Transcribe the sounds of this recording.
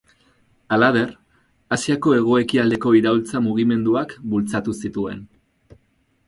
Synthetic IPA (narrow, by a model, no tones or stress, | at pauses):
alaðe̞r | asiako̞e̞ɣ̞o̞e̞kiald̪e̞ko̞iɾault͡samuɣ̞ime̞nd̪uakbult͡sat̪usit̪ue̞n